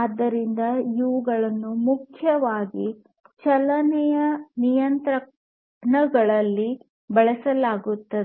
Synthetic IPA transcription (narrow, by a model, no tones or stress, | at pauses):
aːd̪ːɐɾind̪ɐiʋuɡɐɭɐnːumukʰjɐʋaːɡi | t͡ʃɐlɐnɛjɐnijɐnt̪ɾɐ | ɳɐɡɐɭɐlːi | bɐɭɐsɐlaːɡut̪ːɐd̪e